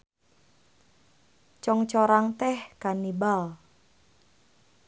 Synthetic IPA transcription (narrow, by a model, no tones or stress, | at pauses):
t͡ʃɔŋt͡ʃɔɾaŋt̪ɛhkanibal